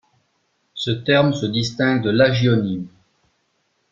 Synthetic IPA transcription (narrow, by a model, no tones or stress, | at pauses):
sət̪ɛʁmsəd̪ist̪ɛ̃ɡ̚d̪əlaʒjɔnim